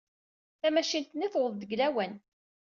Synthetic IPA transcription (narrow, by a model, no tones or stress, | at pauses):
θæmæʃint̪niθwəðˤðəɡlæwæn